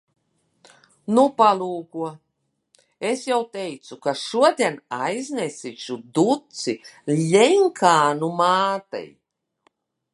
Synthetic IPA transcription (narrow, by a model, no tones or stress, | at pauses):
nupalˠuːkuɔ | esjawt̪ejt̪sukaʃuɔd̪ʲiɛnajznesit͡ʃud̪ut̪silʲɛŋkʰaːnumaːt̪ɛ̰j